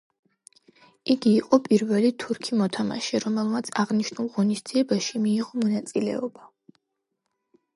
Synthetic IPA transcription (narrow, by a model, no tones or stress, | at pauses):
iɡiːqʼɔpʼiɾvɛlit̪ʰuɾkʰimɔt̪ʰama̰ʃɛɾɔmɛlˠmat̪sʰaʁniʃnulˠʁɔnisd̪ziɛbaʃimiːʁɔmɔnat̪sʼilɛ̰ɔba